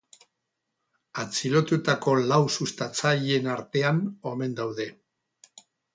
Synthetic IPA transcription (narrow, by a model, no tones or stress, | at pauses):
at͡silo̞t̪ut̪ako̞lawsust̪at͡saʎe̞naɾt̪e̞ano̞me̞nd̪awðe̞